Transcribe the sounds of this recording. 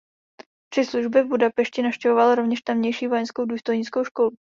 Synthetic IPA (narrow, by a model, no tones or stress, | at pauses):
pr̥ɪsluʒbɪvbudapɛʃcɪnafʃcɛvovalɾovɲɛʃt̪ɛmɲɛjʃiːvojɛnskowduːst̪o̞jɲɪt͡sko̞wʃko̞lu